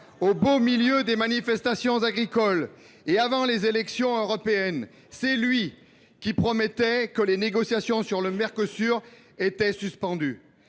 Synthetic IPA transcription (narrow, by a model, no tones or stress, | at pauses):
obomiljød̪emanifɛst̪asjɔ̃zaɡʁikɔl | eavɑ̃lezelɛksjɔ̃øʁɔpeɛn | sɛlɥi | kʲipχɔmɛt̪ɛkəleneɡɔsjasjɔ̃syʁləmɛʁkøsyʁ | et̪ɛsyspɑ̃d̪y